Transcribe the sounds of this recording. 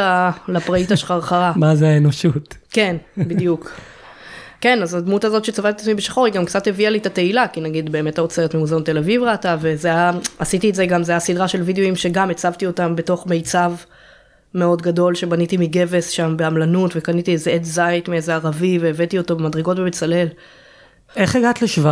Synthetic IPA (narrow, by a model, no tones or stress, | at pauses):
alapʁaitaʃχaʁχaʁamazeaenoʃutke̞nbid̪juk | ke̞nazadmutazo̞tʃet͡savatetatmibeʃḁχo̞ʁhiɡamkt͡sathevialitate̞ilakinaɡid̪be̞ːme̞taot͡seʁetmemuzant̪e̞lavivʁatave̞zejaasitietzeɡamzeajasidʁaʃe̞lvidejoimʃe̞ɡamet͡savtio̞tambe̞to̞χme̞jt͡sav | me̞o̞dɡado̞lʃe̞banitimiɡe̞ve̞sʃambe̞amlanutve̞kanitiezeedzajtmiezeaʁaviveːvetioto̞bemadʁeɡo̞tvemet͡sale̞l | eχeɡatleʃva